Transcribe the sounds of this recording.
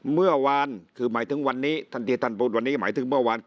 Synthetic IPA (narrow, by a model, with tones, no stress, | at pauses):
mɯ˥˩ɐwa˧nkʰɯː˧˩maː˩˦jt̪ʰɯ˩˦ŋwa˧nːiː˦˥t̪ʰa˧˩nt̪i˧t̪ʰa˧˥˩npuː˦˩t̪̚wa˧nːiː˦˥˩ma̰ː˩˦jt̪ʰɯ˩˦ŋmɯ˥˩ɐwa˧n